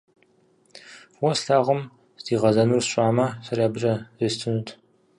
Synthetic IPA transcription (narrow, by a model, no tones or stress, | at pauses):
wɐsɬaːʁəm | sdiːʁɐzɐnurɕʷʼaːmɐsɐrjaːbɨt͡ʃʼɐzistʰɨnutʰ